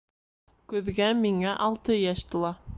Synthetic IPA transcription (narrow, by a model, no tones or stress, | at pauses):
kɵ̆ðɡæmiŋæʔɑlˠt̪ɤjæʃt̪ɤ̆lˠɑ